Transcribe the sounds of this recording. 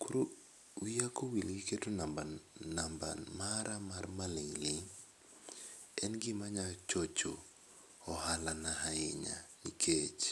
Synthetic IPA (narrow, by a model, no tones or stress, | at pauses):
kuɾo | wijakowilɡiketonabanamba̰nmaɾamarmaleŋlɪŋ | ɛnɡɪmaɲat͡ʃot͡ʃo | ɔhalanaɦaɪɲa̰nikʰet͡ʃ